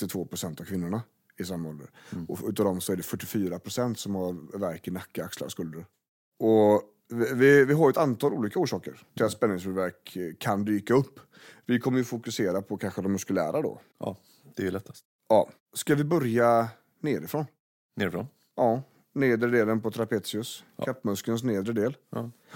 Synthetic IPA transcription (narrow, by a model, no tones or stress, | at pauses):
t̪ːɪt̪ʰvoːpʰɾʊsɛnt̪avkʰvɪnːʊɳa | ɪs̬amːɔld̪ə̰ɾɔʉ̟ːt̪aːvd̪ɔmsɔæɖɛfœʈːɪfyːɾapʰɾʊsɛnt̪sɔmhaɾvæɾkənakːaaksla̰skɵld̪əɾ | ɔ | vɪvɪɦaɾjɛt̪ant̪ʰɑːluːliːkauːʂɑːkə̰ɾt̪ʰɪat̪spɛnːɪŋsbʉvæɾkʰːand̪yːkaɵpː | vɪkʰɔmːəjɵfʊkɵseːɾapʰɔkʰanɧəd̪ɔmːɵskɵlæ̰ːɾad̪ɔ̰ | d̪̥ɛɛlɛt̪ʰːḁst̪ | ɑː | skavɪbœɾja | neːɾɪfɾon | neːɾɪfɾo̰n | ʔɑ | neːd̪ɾəd̪eːlənpɔt̪ʰɾapeːt̪sɪɵsʰat̪ːmɵskəns̬neːd̪ɾəd̪eːl